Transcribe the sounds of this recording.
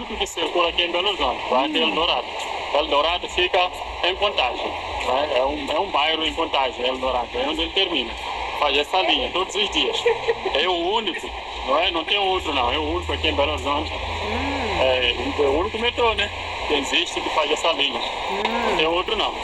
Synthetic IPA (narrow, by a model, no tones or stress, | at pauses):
ikʊkɪseɾkulɐakiẽbɛloɾzõnt̪ɪvajak̪ield̪oɾad̪ʊelɪd̪oɾad̪ʊfikɐ | ẽkõnt̪aʒe | nɐ̃w̃ɛɛũɛũbajɾʊẽkõnt̪aʒielɪd̪oɾad̪ʊɛõnd̪elɪt̪eɾmĩnɐfazɛsɐlĩɲɐt̪od̪ʊzʊzd̪iɐʃɛuũnikʊ | nɐ̃w̃ɛnɐ̃w̃t̪ẽj̃owt̪ɾunɐ̃w̃ɛuũnikʊakiẽbɛloɾzõnt̪ɪ | ɛunikɛũnikumẽt̪ɾonɛ | kẽziʃt̪ɪkɪfazɛsɐlĩɲɐ | ɐ̃t̪ẽj̃owt̪ɾunɐ̃w̃